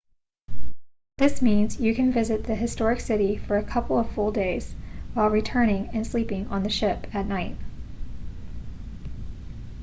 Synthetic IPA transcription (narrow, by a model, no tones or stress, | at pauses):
ðɪsmĩnz̥jɨkʰɨ̃nvɪzɨt̪̚ðɨɦɨstɔɹɨksɪɾifə˞ɨkʰʌpl̩ˠʌv̥fʊlˠdeɪz̥waɪlˠɹitʰɜ̃˞ñɪ̃ŋɨ̃nslipɪ̃ŋə̰̃nðɨʃɪpɨtⁿnaɪt̚